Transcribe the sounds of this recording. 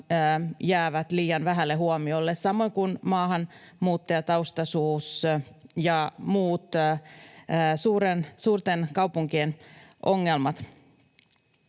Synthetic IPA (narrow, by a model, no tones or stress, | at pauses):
jæːʋæt̪liːjɑnʋæɦælːeɦuomiolːessɑmo̞ŋkunmɑːhɑn | muːt̪ːɑjɑt̪ɑwst̪ɑsuːsjɑmuːt̪ː | suːɾensuːrt̪enkɑwpuŋkienʔoŋːelmɑt̪